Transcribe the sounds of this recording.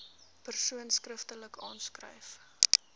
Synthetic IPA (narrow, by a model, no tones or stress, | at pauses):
pərsuənskrəftələkʰɑ̰ːnskrə̰jf